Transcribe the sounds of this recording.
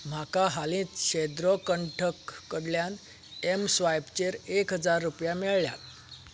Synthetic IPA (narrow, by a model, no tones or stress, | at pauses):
m̤akaɦalĩːt͡s̪ɕed̪ɾɔkəɳʈʰəkːəɽljan | emsʋajpt͡ɕeɾekɦəd͡zaɾːupjamiɭlja̰t̪